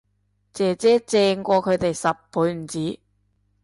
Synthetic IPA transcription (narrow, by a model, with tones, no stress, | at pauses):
t͡sɛː˨t͡sɛː˨˥t͡sɛː˧ŋkʷɔː˧kʰɵ˨˧ɥt̪e˨jsɐ˨p̚ʰːuː˨˥jm̩˨˩t͡siː˨˥